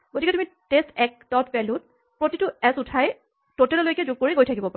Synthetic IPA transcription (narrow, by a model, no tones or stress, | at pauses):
ɡotikɛtumi | testʰɛk̚dɔtbɛlut̚ | pɹotitʊɛzʊtʰaj | totɛlɔlojkɛzuɡ̚koɹiɡojtʰakibɔpa̰